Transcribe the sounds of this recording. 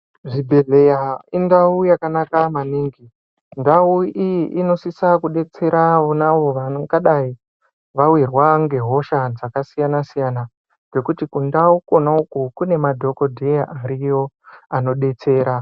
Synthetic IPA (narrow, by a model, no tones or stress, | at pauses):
ʐibʱe̞ɮejaindaujakanakamaniːŋɡi | ndauiʔino̞sisakuɗe̞t͡se̞ɾaonaʋo̞ʋaŋɡaɗai | ʋawirwaŋɡe̞ɦo̞ʃad͡zakasijanasijana | ɡe̞kutikundauko̞naukukune̞madʱo̞ko̞dʱejaʔaɾijo̞ | ano̞ɗe̞t͡se̞ːɾa